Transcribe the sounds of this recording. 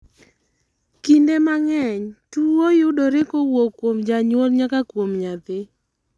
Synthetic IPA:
kindemaŋɛɲtuwojʊdoɾɪkowokːwomd͡ʒaɲwolɲakakwomɲad̪ɪ

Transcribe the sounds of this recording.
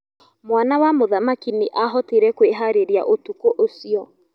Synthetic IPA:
mwanawamoðamakiniʔaɦɔteɾɛkweɦaɾeɾia̰ʔotukoʔosiɔ

